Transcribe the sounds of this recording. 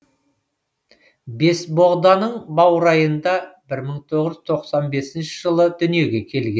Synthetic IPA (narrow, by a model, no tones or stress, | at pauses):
be̞sbo̞ʁd̪ɑnəɴbɑwɾɑjənd̪ɑbɪɾməɴt̪ʰoʁəʒʏzt̪ʰoqsɑnbe̞sɪnʃɪʒəlˠəd̪ʏnije̞ɡʲe̞kʲʰe̞lɡʲe